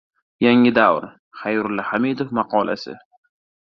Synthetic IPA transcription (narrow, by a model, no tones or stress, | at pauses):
jaŋɪd̪awɾ | χajɾʊlːahamid̪ofmɑqʰɒlʔa̰sɪ̰